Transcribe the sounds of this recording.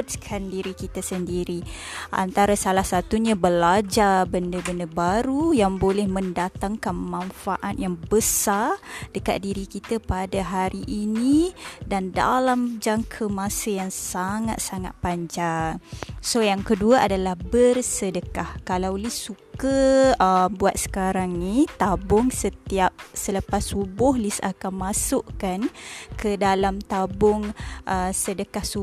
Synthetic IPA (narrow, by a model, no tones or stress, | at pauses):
t̪kʰandiɾikit̪asəndiɾi | ʔa̰nt̪aɾasalahsat̪uɲãbəlad͡ʒabəndəbəndəbaɾujaŋbolɛhmə̃ndat̪aŋkanmãnfaʔat̪̚jaŋbəsard̥əka̰t̪̚diɾikit̪apadaɦaɾiʔːnidanda̰lamd͡ʒaŋkʰəmãsəjaŋsaŋa̰t̪̚saŋa̰t̪̚paɲd͡ʒaŋsojaŋkəduaʔadalahbərsədəkahkalawlisːukəəmbuat̪̚sə̥kaɾaŋnit̪abʊŋsət̪iap̚sələpasubʊhlisa̰kanmasʊʔkankʰədalamt̪abʊŋʔəsədəkahsu